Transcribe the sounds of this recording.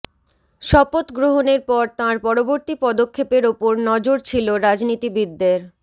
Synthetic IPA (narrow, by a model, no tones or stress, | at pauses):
ʃɔpot̪ɡɾoɦoneɾpɔɾt̪ãɾpɔɾoboɾt̪ipɔd̪okʰːepeɾopoɾnɔd͡ʑoɾt͡ɕʰiloɾad͡ʑnit̪ibid̪ːeɾ